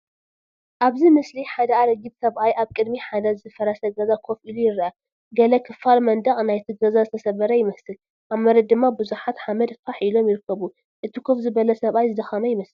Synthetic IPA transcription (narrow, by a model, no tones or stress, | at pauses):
ʔaβzimɨsliħad̪ɐaɾɐɡibsɐβʔajʔaβkʼɨd̪miħad̪ɐzɨɨfɐɾɐsɐɡɐzakʰo̞fʔilujɪɾɐʔa | ɡɐlɐkʰɨfalmɐnd̪ɐχʼnajt̪ʰɨɡɐzazɨt̪ʰɐsɐβɐɾɐjɪmɐsɨl | ʔaβmɐɾɐd̪̚d̪ɨmːabɨzuħat̪ħamɐd̪faħilo̞mjɪɾɨkːɐβu | ʔɨt̪ʰikʰo̞fzɨbɐlɐsɐβʔajzɨd̪ɐxɐmɐjɪmɐsɨl